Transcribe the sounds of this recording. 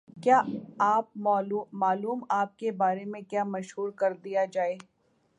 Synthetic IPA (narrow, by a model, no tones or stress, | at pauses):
kjaːaːp̚maːluːmaːluːmaːp̚kebaːɾemẽkjaːmɐʃɦuːɾkɐɾd̪ijad͡ʒaːeː